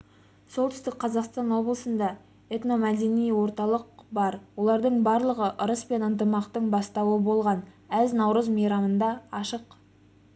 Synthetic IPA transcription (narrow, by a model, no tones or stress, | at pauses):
so̞lˠt̪ʏ̥st̪ɪk̚ʲqʰɑzɑqst̪ɑnwo̞blˠəsənd̪ɑ | et̪no̞mæd̪e̞nijwo̞ɾt̪ɑlˠəq̚bɑɾwo̞lˠɑɾd̪əɴbɑɾlˠəʁəʔʊɾəspe̞nənt̪əmɑqt̪əɴbɑst̪ɑwəbo̞lˠʁɑn | æznɑwɾəzmɑjɾɑmənd̪ɑɑʃəq